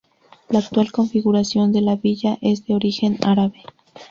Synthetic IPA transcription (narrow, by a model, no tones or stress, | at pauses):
laːk̚t̪walko̞ɱfiɣuɾasjo̞nd̪e̞laβiʝaʔe̞zd̪e̞o̞ɾixe̞na̰ɾaβe